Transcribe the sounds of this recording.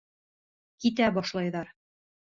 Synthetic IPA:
kit̪æbɒʃlˠɑjðɑɾ

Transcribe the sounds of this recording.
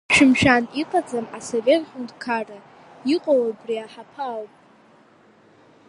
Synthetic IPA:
ʃᶣɪmʃᶣaniqʰʼad͡zamasovʲetχʲʷʊndkʰarʼa | iqʼowabriaħapʰaːlpʼ

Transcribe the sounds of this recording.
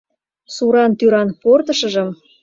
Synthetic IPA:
suɾɑnt̪yɾɑnport̪ɤ̆ʃɤ̆ʒə̆m

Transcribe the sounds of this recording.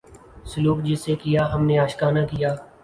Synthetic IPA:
sʊluːkd͡ʒɪsekijaːɦɐmneaːʃkaːnakijaː

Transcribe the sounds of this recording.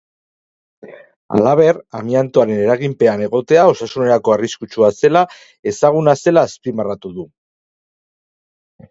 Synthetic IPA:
a̰laβ̞e̞ɾamiant̪oaɾe̞ne̞ɾaɣimpe̞ane̞ɣ̞o̞t̪e̞ao̞sasune̞ɾako̞ariskut͡ʃuase̞la | e̞saɣ̞unase̞laːspimarat̪uðu

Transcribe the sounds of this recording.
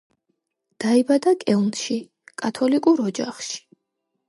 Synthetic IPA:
d̪̥aibad̪akʼɛlnʃi | kʼat̪ʰɔlikʼuɾɔd͡ʒaχʃi̥

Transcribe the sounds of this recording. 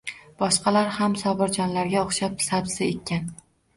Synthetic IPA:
b̥ɒʃqʰɑlaɾhamsɒbɪɾd͡ʒɒnlaɾɡʲaoχʃap̚sabsɪet̪̚ʲʰːan

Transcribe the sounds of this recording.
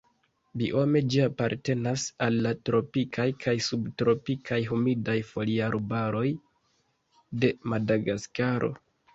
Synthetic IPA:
biʔo̞me̞d͡ʒiapaɾte̞nasalːatɾo̞pikʰajkʰajsubtɾo̞pikʰajɦumidajfo̞liaɾobaɾo̞j | de̞madaɡaskaɾʔo̞̰

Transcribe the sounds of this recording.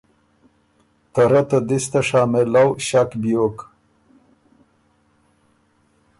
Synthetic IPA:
t̪ɐɾat̪ad̪ist̪aʂaːmelawɕakbijok

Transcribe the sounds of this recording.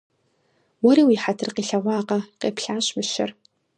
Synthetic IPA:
wɔɾiːwiħatʰɨrqiːɬɐʁʷɑːqɐqeːpɬaːɕmɨʃɪ̰r

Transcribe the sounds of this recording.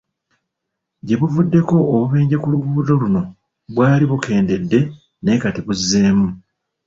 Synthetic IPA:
ɟe̞βuvudːe̞ko̞ːβuβeːɲɟekuluɡuːzo̞luno̞ | βwaːliβukʰe̞ːnde̞dːe̞ | ne̞ːkatiβuzːe̞ːmu

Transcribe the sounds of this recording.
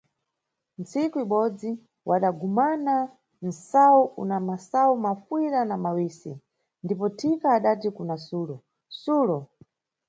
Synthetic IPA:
nt͡sikuiɓɔd͡zi | wʔaɗaɡumana | n̩sawuʔṵnamasaumafwiɾanamawisi | ndipɔtʰikaːɗatikunasuːlɔ | suːlɔ

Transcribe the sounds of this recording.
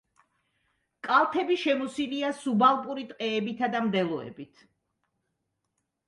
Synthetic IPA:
kʼalˠt̪ʰɛbiʃɛmusiliasubalˠpʼuɾit̪ʼqʼɛːbit̪ʰad̪amd̪ɛlˠɔɛ̰bit̪ʰ

